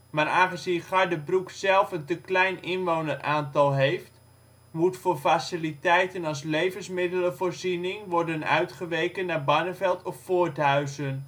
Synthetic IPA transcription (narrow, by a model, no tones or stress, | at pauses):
maːɾaːχəzinχaɹdəbruksɛlˠfəntəklɛjnɪnʋownərʔaːntɑlˠɦejft | mutfʊːɹfasɪlitɛjtənɑlˠs̬lejvənsmɪdələvoːɹzinɪŋʋɔɹdənœ̰ɥtχəʋejkənːaːɹbɑnəvɛlˠtʰɔffʊːɹtɦœɥzən